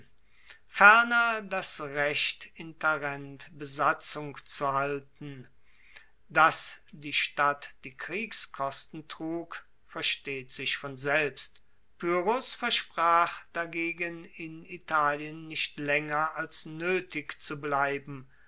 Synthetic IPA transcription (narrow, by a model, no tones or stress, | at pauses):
fɛɐnɐdasʁɛʃtɪntɛʁɛntb̥əzat͡sʊŋkt͡suhaltn̩ | dasd̥iːʃtatd̥iːkʁ̥iːkskʰɔstn̩tʁ̥uːk | fɛɐʃteːtz̥ɪʃfɔnzɛlpst | pyʁʊsfɛɐʃpʁ̥aːχd̥aɡeːɡənɪnitʰaːljənːɪçtlɛŋɐalsnøːtɪkt͡sublaɪbm̩